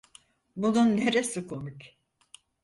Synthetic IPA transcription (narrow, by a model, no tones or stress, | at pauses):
bununːe̞ɾesikʰo̞mic